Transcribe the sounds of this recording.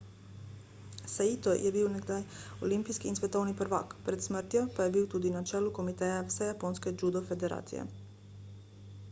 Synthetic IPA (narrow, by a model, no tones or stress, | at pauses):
sait̪ojʔebiːwneɡd̪ajo̰limpiskiːnsʋet̪owniprʋa̰kpɾet̪smr̩t̪jepajebiːwt̪uːd̪inat͡ʃeːluko̞mit̪ejafsejaponsked͡ʒud̪ofed̪eɾa̰ːt̪sḭjḛ